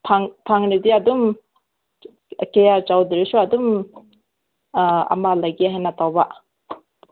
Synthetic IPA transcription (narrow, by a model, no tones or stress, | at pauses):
pʰaŋpʰaŋnidiadum | kejat͡ʃawdiɾisuadum | a̰malajɡiaɦenatawba